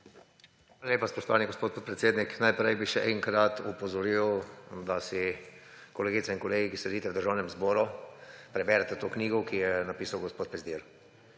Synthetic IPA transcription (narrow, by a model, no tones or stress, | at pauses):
xʋaːlaljeːpaspɔʃt̪ɔʋaːniɡospoːt̪poːt̪̚pɾɛt̪seːd̪niknajpɾɛjbiʃɛʔɛŋkɾat̪upɔzɔɾiwd̪asi | kɔleːɡit̪sɛinkɔleːɡikislɛd̪iːt̪ɛwd̪əɾʒawnɛmzbɔːɾupɾɛbɛːɾɛt̪ɛt̪oːkniːɡɔkijɛnapiːsawɡospoːt̪̚pɾɛzd̪iɾ